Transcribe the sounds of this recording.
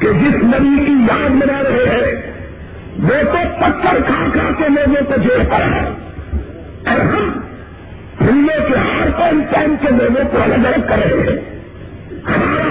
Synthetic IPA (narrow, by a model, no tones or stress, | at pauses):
ked͡ʒɪsnɐbikijaːd̪mɪnaɾɐɦeɦɛ̃ | ʋoːt̪opɐt̪ʰːəɾkʰaːkʰaːkeloːɡõkod͡ʒeːpɐɾa̰ɦɛ̰ | ɔːɾɦɐm | hʊmːekeɦaːɾpãɪmpaːɪmkeloːɡõkoɐləɡəɾəɡ̪̚kɐɾəɦẽɦɛ̰̃ | hɐmaːɾa